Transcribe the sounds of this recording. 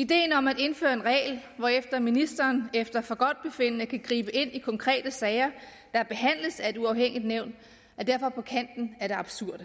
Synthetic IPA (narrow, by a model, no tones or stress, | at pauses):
id̥e̝̰ːn̩ɒ̽mæde̝nfø̰ːɐe̝nʁɛ̰ːlʋɒefd̥ɐminisd̥ɐːnefd̥ɐfɒ̽ɡ̥ɒ̽d̥̚b̥e̝fe̝n̰nəkʰæɡ̥ʁḭːb̥əe̝n̰ikʰɒ̽ŋkʰʁɛ̰ːd̥əsɛːɪɐ | d̥ɑ̈b̥e̝ɦæn̰ləsæe̝d̥uɑ̈ʊheŋ̰id̥neʊ̰nd̥ | æd̥æɐ̰fɒ̽pʰɒ̽kʰæn̰d̥n̩æɐɾ̥e̝ɑ̈b̥suɐ̰d̥